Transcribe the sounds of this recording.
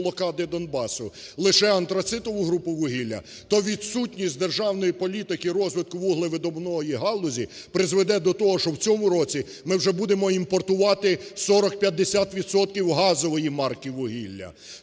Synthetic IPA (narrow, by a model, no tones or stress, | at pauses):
lˠɔkɑd̪ɪd̪ɔnbɑsʊlˠɪʃɛɐnt̪ɾɐt̪sɪt̪ɔʋʊɦɾupʊʋʊɦilʲːɐ̰ | t̪ɔʋʲid̪sutʲnʲisʲtʲd̪erʒɑwnɔjipɔlʲit̪ɪkɪɾɔzʋɪt̪̚kʊʋuɦlˠɪʋɪd̪ɔbnɔjiɦɑlˠʊzʲi | pɾɪzʋed̪ɛd̪ɔt̪ɔɦɔʃɔwt͡sʲɔmʊɾɔt͡sʲi | mɪwʒɛbud̪e̞mɔimpɔrt̪ʊʋɑt̪ɪsɔɾɔk̚pʲjɐt̪̚d̪ːesʲat̪ʋʲid̪sɔt̪̚kʲiwɦɑzɔʋɔjimɑrkiʋʊɦilʲːɐ̰